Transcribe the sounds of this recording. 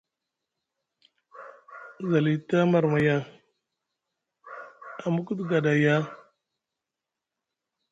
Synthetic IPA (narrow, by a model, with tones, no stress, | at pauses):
za˨li˨ta˦ma˨ɾma˨ja˦ | a˨mu˦ku˦dɡa˨da˨ja˦